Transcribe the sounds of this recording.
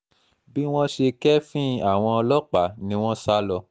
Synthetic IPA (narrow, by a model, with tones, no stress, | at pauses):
bi˦w̃ɔ̃˦ʃe˧kɛ˦fĩ˦a˦˨w̃ɔ̃˧ɔ˧lɔ˦k͡pa˨˦nĩ˨˦w̃ɔ̃˦sa˦lɔ˧